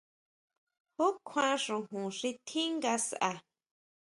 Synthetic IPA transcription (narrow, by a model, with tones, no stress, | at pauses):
ho˦kʰʷã˧ʂũ˧ɦũ˨ʂĩ˧t̪ʰi˦ŋɡa˧sa˨ʔa˨